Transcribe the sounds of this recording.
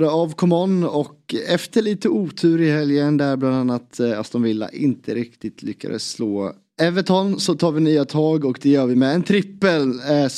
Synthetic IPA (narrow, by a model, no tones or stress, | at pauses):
d̪əɑːvkʰɔmɔnːɔkɛft̪əɭiːt̪əuːt̪ʰʉ̟ːɾɪɦɛljənd̪ɛæɾbland̪anːat̪asd̪ɔmvɪlːa̰ʔɪnt̪ʰəɾɪkt̪ɪt̪ʰlʏkːa̰d̪ə̰sːloː | ɛvət̪ʰɔnːsɔt̪ʰɑːɾvɪnyːat̪ʰɑːɡɔkd̪ɛjœːɾvɪmɛɛnt̪ʰɾɪpːəl